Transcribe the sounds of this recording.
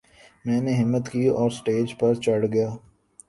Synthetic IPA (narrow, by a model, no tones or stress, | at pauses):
mɛ̃ːneɦɪmːət̪kiːɔːɾsʈeːd͡ʒpɐɾt͡ʃɐɽɡɐjaː